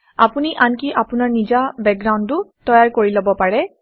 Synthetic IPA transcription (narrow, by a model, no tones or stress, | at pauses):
a̰puniʔankiʔapʊnaɹnizabɛk̚ɡɹawntʊtɔjaɹkoɹilobɔpaɹɛ